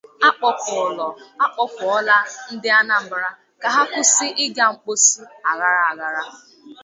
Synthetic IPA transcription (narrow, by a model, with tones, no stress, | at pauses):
a˦k͡pɔ˨kʊ˨lɔ˨a˦k͡pɔ˦kʷʊ˨ɔ˦la˦n̩˦dɪ˦a˦na˨m̩˨bɾa˦ | ka˨ɦa˦kʊ˦sɪ˦ʔɪ˦ɡa˦˨ŋ͡m̩˨k͡po˦su˦a˨ɣa˦ɾa˨a˨ɣa˨ɾa˦